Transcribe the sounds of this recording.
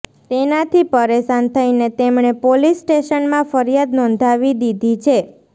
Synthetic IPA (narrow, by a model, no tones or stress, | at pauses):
t̪enat̪ʰipəɾesant̪ʰəjnet̪emɳ̃epolisːʈeʃənmãfəɾijad̪nɔ̃nd̪ʱaʋid̪id̪ʱit͡ʃʰe